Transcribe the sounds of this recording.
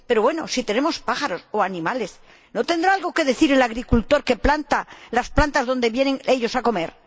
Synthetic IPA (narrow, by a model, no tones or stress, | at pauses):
pe̞ɾoβwe̞no̞̰sit̪e̞ne̞mo̞spaχaɾo̞soanĩmale̞s | no̞t̪end̪ɾaalɣo̞ke̞ðe̞θiɾelaɣ̞ɾikult̪o̞ɾke̞plant̪alasplant̪azðo̞nd̪e̞βje̞ne̞ŋe̞ʎo̞sako̞me̞̰ɾ